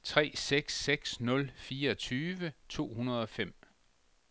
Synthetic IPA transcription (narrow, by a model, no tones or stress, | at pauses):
t͡sʰʁɛ̰ːseɡ̥seɡ̥snɔ̽lfiːɐɒt͡sʰyːʋət͡sʰo̝̰ːhunɐð̞ˠɒ̽fem̰